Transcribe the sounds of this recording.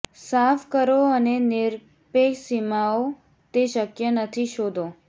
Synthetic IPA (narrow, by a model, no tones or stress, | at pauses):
safkəɾoənenɪɾ | peksimao | t̪eʃəkjənət̪ʰiʃod̪ʱo